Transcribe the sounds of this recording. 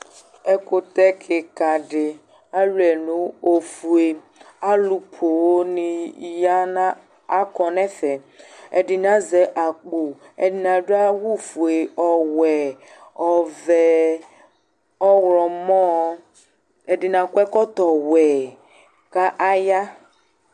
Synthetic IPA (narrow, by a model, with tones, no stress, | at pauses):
ɛ˦ko˦t̪ɛ˦kʰe˨ka˨ɖɪ˨ | a˦lu˦ɛ˨nũ˦o˨fu˨e˨ | a˦lu˨pʰo˨wo˦nĩ˨ja˦nã˦ | a˦kɔ˨nɛ̃˦fɛ˨ | ḛ˨ɖɪ˨nã˦zɛ˨ʔa˨k͡po˨ | ḛ˨dɪ˨nã˨ɖo˦a˦wu˦fu˨e˨ɔ˨wɛ˨ | ɔ˨vɛ˨ | ɔ˦ɣɾɔ˨mɔ̃˦ | e˨ɖɪ˨nã˨kwɛ˦kɔ˦t̪ɔ˨wɛ˨ | ka˦ʔa˦ja˦